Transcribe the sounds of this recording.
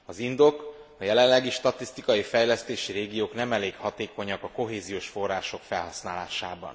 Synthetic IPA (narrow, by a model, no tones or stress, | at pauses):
ɒzind̪o̞k | ɒjɛlɛllɛɡiʃt̪ɒt̪ist̪ikɒjifɛjlɛst̪eːʃiɾeːɡijoːknɛmɛleːkhɒt̪eːko̞ɲɒkɒko̞ɦeːzijoːʃfo̞rːaːʃo̞kfɛlɦɒsnaːla̰ːʃa̰ːbɒ̰n